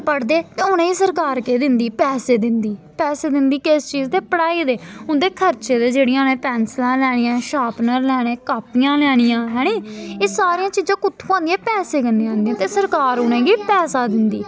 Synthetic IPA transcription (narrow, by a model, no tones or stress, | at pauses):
pəɽd̪eːt̪eːʊñẽːɡiːsəɾkaːɾkeːd̪ɪnd̪iːpɛːseːd̪ɪnd̪iːpɛːseːd̪ɪnd̪iːkest͡ʃiːzd̪eːpəɽaːiːd̪eːʊnd̪eːkʰəɾt͡ʃeːd̪eːd͡ʒeːɽɪjãːnẽːpɛːnslãːlɛːɽ̃ɪjãːʃaːpnəɾlɛːɽ̃eːkaːpɪjãːlɛːɽ̃ɪjãːɦɛːɽ̃iːeːsaːɾijãːt͡ʃiːzãːkʊt̪ʰːuːãːnd̪ijãːpɛːseːkənd̪eãːnd̪ĩjãːt̪eːsəɾkaːɾʊnẽːɡiːpɛːsaːd̪ɪnd̪iː